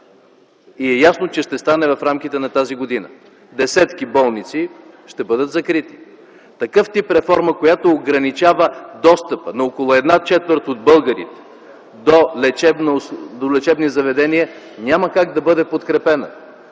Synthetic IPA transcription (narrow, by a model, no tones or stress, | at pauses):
iɛjasnot͡ʃɛʃt̪ɛst̪anɛvɐfɾamkʲit̪ɛnɐt̪aziɡod̪inə̰ | d̪ɛsɛt̪kibɔlˠnit̪siʃt̪ɛbɤd̪ət̪zɐkɾit̪i̥ | t̪ɐkɤft̪ipɾɛfɔɾməkojat̪oːɡɾɐnit͡ʃavəd̪ɔst̪əpənɐokolˠʊɛd̪nat͡ʃɛt̪vəɾt̪od̪̚bɤlˠɡəɾḭt̪ɛ̥ | d̪olɛt͡ʃɛbnd̪olɛt͡ʃɛbnizɐvɛd̪ɛniə | nʲaməkaɡd̪ɐbɤd̪ɛpot̪kɾɛpɛnə̰